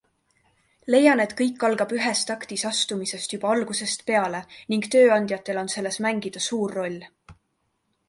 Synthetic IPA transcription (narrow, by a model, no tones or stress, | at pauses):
le̞jɑne̞t̪kɤjkːɑlɡ̥ɑb̥yɦe̞st̪ɑkt̪isɑst̪umise̞st̪jub̥ɑɑlɡ̥use̞st̪pe̞ɑle̞niŋɡ̥t̪ø̞ːɑnd̪̥jɑt̪ːˑe̞lo̞nse̞lːe̞smæŋɡ̥id̪̥ɑsuːrːo̞lʲː